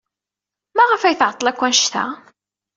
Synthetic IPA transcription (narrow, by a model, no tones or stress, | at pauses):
mæʁəfæjθʕət̪ˤːəlækʷːænʃt̪æ̰